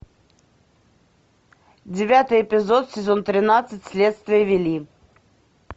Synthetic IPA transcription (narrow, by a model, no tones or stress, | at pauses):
d͡zʲɪvʲat̪ɨjɛpʲɪzot̪sʲɪzɔnt̪ɾʲɪnat̪sɨt͡sʲsʲlʲet̪st̪vʲɪjəvʲɪlʲi